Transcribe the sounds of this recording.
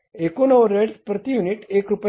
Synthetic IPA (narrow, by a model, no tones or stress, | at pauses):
ekonəʋɾeɖspɾət̪ijuniʈekɾup